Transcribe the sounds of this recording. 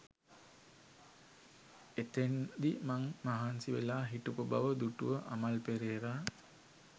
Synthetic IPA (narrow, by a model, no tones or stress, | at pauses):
et̪end̪imaŋmaɦansiʋelaːɦiʈupuba̰ʋəd̪uʈuʋəʔamalpeɾeːɾaː